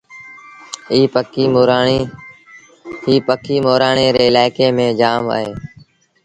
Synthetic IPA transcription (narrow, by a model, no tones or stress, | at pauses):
iːpəkiːɾ | ɦiːpəkʰiːmoːɾaːɳeːɾeːɪlaːɪkeːmẽːd͡ʒaːma̰ːɦḛː